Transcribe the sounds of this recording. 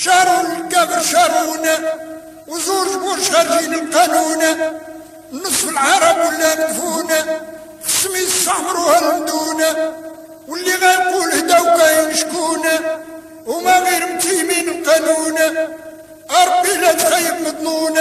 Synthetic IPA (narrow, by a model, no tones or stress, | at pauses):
ʃɑɾˤunəlkːæbəɾʃɑɾˤunæ | wzuɾt̪kuɾʃxæɾhinəlqænunæ | nːəsˤfəlʕɑɾˤɑbwəlːænfunæ | xə̥sːəmiəsˤːɑħmɾuhæləmd̪unæ | wəlːiɣænqulhd̪æwɡæjnəʃkunæ | hʊmæɣiɾəmt̪iminəlqænunæ | ɑɾˤɑbːilæt̪xəjːəbməd̪ˤlunæ